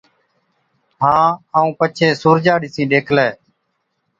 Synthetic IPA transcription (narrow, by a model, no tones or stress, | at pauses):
ɦãːaːũːpət͡ʃʰeːsuːɾd͡ʒaːɗɪsĩːɗeːkʰlɛː